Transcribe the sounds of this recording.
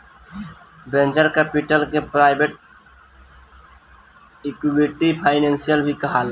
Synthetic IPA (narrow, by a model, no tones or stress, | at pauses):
bẽnd͡ʒəɾkɛpiʈəlkepɾaɪbʱeʈ̚ | ikwiʈipʰaɪnensijəlbʱikəɦal